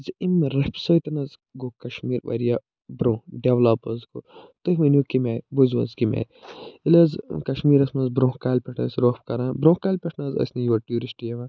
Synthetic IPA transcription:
zimɾɐpʲsɐjt̪ɐnɐz | ɡokɐʃmiːɾʋɐ̰ɾija | bɾõːɖeʋlapɐzko̰t̪ɨɦʲmɐnʲjokimeɾʲbozʋɐ̰zkimḛːɾʲilɐzkɐʃmiːɾɐsmɐzbɾõːhkaːlʲpʲɛʈʰɐsɾoːpkɐɾãːbɾõːkaːlʲpʲeʈʰnaːzɐ̰sʲnɐjʋɐʈjuːɾisʈijɐʋã

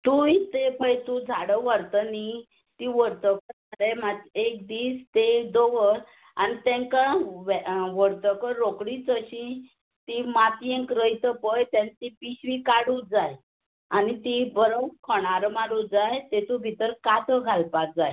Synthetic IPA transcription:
t̪ũjt̪epəjt̪ũd͡zʱaɽəʋəɾt̪əni | t̪iʋəɾt̪əkəɾtaɾemaek̚d̪iːst̪ed̪oʋəɾ | anit̪ɛ̃ŋkaʋɛʋəɾt̪əkəɾokɽit͡səɕĩ | t̪imat̪ijẽŋkɾəjt̪əpəjt̪ãnt̪ipiɕʋikaɽud͡zaj | anit̪ibəɾəwkʰəɽ̃aɾəmaɽud͡zajt̪et̪ũbʱit̪əɾkat̪ʰəɡʱalpak̚d͡zaj

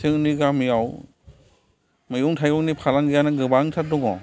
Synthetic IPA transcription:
sʰɯŋniɡamijaw | mɯjɔŋtʰajɔŋnipʰalaŋɡɯjanɯɡɯbaŋtʰadɔŋɔ̰

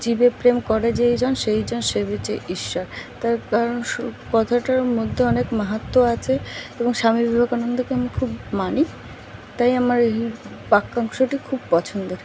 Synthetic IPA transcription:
d͡ʑibepɾemkɔɾed͡ʑejd͡ʑɔnʃejd͡ʑɔnʃebet͡ɕeʔiʃːaɾt̪aɾkaɾonkɔt̪ʰaʈaɾmod̪ʱːeɔnekmaɦat̪ːoat͡ɕʰeeboŋʃamibibʱakanond̪ʱokeamikʰubmani | t̪ajamaɾei | pakːaŋʃoʈikʰub̚pɔt͡ɕʰond̪oɾ

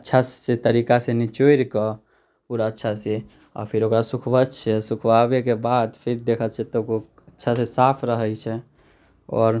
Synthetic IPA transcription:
ətːʃʰasset̪əɾikasenit͡ʃoiɾkɔ | puɾətːʃʰase | ɔ̰pʰiɾokɾasukʰbət͡ʃʰɛsukʰbabekebad̪pʰiɾd̪ekʰət͡ʃʰɛt̪oko | ətːʃʰasesapʰɾəɦəjt͡ʃʰɛ | ɔ̰ːɾ

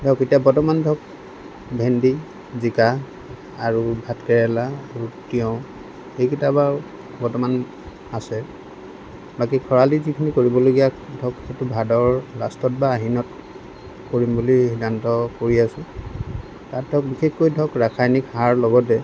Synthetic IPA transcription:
dʱɔketijabɔtɔmandʱɔk̚ | bʱendi | zika | aɹubʱatkɛɹɛlaaɹutiɔ̃ | xejkitaba | bɔtɔman | asɛ | bak̬ikʰɔɹalizikʰinikoɹibɔloɡijadʱɔkxetubʱadɔɹlastɔt̚baːɦinɔt | koɹimbulihidantɔkoɹiasʊ̃ | tat̚dʱɔk̚bixʰexkojdʱɔkɹakʰajnikhaɹlɔɡɔt̬ɛ

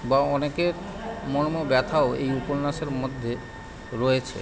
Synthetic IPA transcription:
baɔnekeɾ | mɔɽmobɛt̪ʰaoḛjupoɾnaʃeɾmod̪ʱːje | ɾɔet͡ɕʰḛ

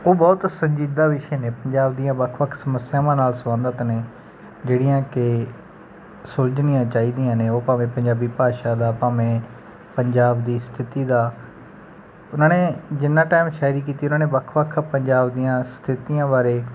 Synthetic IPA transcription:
oːbɔːt̪sə̃ɲd͡ʒiːd̪aːʋɪʃeːnẽːpəɲd͡ʒaːb̚d̪ijãːbəkʰʋəkʰsəməsjaːʋãːnaːlsʋãːnd̪ət̪neː | d͡ʒeːɽɪjãːkɪ | sold͡ʒnijãːt͡ʃaːiːd̪ijãːneːoːpaːʋẽːpəɲd͡ʒaːbiːpaːʃaːd̪aːpaːʋẽː | pəɲd͡ʒaːbd̪iːst̪ʰɪt̪iːd̪aː | ʊnãːneːd͡ʒɪnːãːʈaːɪmʃaːɾiːk̬iːt̪iːʊnãːneːbəkʰʋəkʰpəɲd͡ʒaːbd̪ijãːst̪ʰɪt̪ijãːbaːɾeː

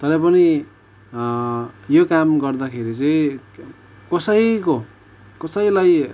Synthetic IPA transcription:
t̪ʌɾʌpʌni | jokamɡʌrd̪akʰeɾit͡sʌĩ | kʌsʌjko | kʌsʌjlaj

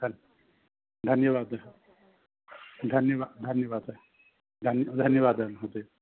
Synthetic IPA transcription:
d̪ʱn | d̪ʱənjəʋad̪a | d̪ʱənjəʋad̪ʱənjəʋad̪a | d̪ʱənjd̪ʱənjəʋad̪anɦot̪e

